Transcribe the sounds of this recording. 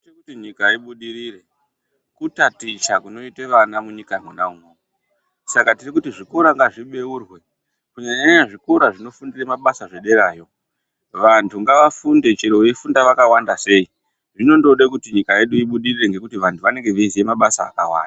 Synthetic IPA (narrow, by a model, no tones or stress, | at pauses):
tekutiɲikaiɓuɗiɾire̞ | kutatit͡ʃakuno̞iteʋanamuɲikamunaumomo | sakatirikutiʐiko̞ɾaŋɡaʐiɓe̞urwe̞ | kuɲaɲaɲɲaʐikoɾaʐino̞fundiremaɓasaʐe̞ɗe̞ɾaːjo̞ | ʋantʰuŋɡaʋafunde̞t͡ʃiɾeifundaʋakawandase̞i | ʐino̞ndo̞ɗekutiɲikaje̞ɗuiɓuɗirireŋɡe̞kutiʋantʰuʋane̞ŋɡe̞ʋizie̞maɓasa̰ːkawa̰ːnda